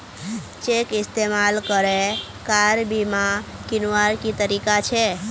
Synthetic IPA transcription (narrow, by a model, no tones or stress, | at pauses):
t͡ʃekɪst̪emalkəɾe | kaɾbimãkinuaɾkit̪əɾikat͡ʃʰe